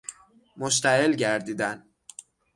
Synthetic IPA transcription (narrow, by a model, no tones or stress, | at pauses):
moʃt̪ʰæelɟæɾd̪iːd̪æn